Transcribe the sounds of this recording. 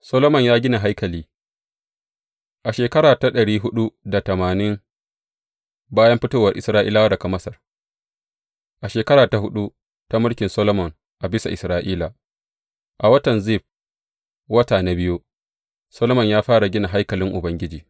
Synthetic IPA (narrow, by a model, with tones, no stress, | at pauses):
sɔ˦loː˦mɔ˨ɲjaː˦ɡʲɪ˦na˨ɦa˦jkɐ˨liː˦ | ʔa˨ʃeː˨kɐ˦ɾaː˨ta˦ɗɐ˨ɽiː˦ɦʊ˦ɗu˦da˨tɐ˨maː˨nɪ˦ŋ | baː˦jɐ˦mɸɪ˦toː˦wɐ˨rʔɪ˨sɾaː˦ʔḭː˦laː˦wa˦dɐ˨ka˨mɐ˦sɐ˨r | ʔa˨ʃeː˨kɐ˦ɾaː˨ta˨ɦʊ˦ɗu˦ | ta˦mʊ˦lkʲɪ˨nsɐ˦lo˦mɔ˨ŋ | ʔa˨bɪ˦sa˨ʔɪ˨sɾaː˦ʔiː˦la˨ | ʔa˨wɐ˦tɐ˨nzi˦˨ɸ̚ | wɐ˦taː˨na˦bɪ˦ju˦ | sɐ˦loː˦mɔ˨ɲjaː˦ɸaː˦ɽa˨ɡʲɪ˦na˨ɦa˦jkɐ˨lɪ˦ŋʔʊ˨bɐ˦ŋɡʲɪ˦d͡ʒiː˨